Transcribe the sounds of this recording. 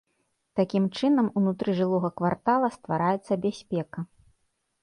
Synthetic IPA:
t̪akʲimt͡ʂɨnɐmunut̪ɾɨʐɨlˠɔɣɐkvart̪alˠɐst̪vaɾajɛt̪sːɐbʲasʲpʲɛkɐ

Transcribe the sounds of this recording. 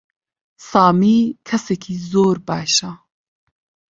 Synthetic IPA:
sɑːmiːkʰɛsɛkʰiːzoːɾbɑːʃa

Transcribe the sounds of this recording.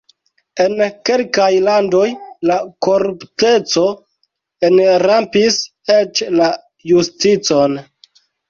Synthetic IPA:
e̞nke̞lkajlando̞jlakoɾupte̞t͡so̞ | enɾampis | et͡ʃla | justit͡so̞n

